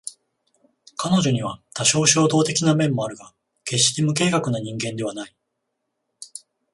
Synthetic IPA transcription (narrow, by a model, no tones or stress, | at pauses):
kano̞ʑo̞ɲ̟iβat̪aɕo̞ːɕo̞ːd̪o̞ːt̪e̞kʲinamẽ̞mːo̞aɾɯ̟ɡa | ke̞ɕːi̥t̪emɯ̟k̬e̞ːkakɯ̟naɲ̟ĩŋɡẽ̞nd̪e̞βanai